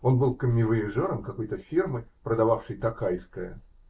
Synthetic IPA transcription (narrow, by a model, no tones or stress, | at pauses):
o̞nbɨlˠkəmʲːɪvɨɪʐoɾəmkɐko̞jt̪əfʲirmɨpɾəd̪ɐvafʂɨjt̪ɐkajskəjə